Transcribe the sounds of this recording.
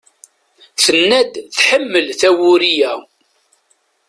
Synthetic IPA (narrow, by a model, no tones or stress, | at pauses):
θənːæd̪θħəmːəlθæwʊɾijæ